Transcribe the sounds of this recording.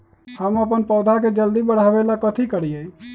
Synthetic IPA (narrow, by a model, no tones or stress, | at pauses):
həməpənpəːd̪ʱaked͡ʒəld̪ibəɽ̤aʋelakət̪ʰikəɽijə